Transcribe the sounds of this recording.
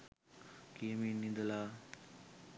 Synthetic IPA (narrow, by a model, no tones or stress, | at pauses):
kiminid̪əlaː